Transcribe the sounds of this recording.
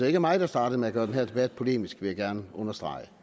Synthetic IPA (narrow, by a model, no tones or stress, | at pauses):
d̥ee̝ɡəmɑ̈ɪd̥ɑ̈sd̥ɑ̈ːd̥ð̩ˠmeæɡ̥ɶːɐd̥enɦeɐd̥e̝b̥æd̥̚pʰo̝le̝̰ːmisɡ̥ʋijæɡ̥æɐnɔ̽nɐsd̥ʁɑ̈ɪə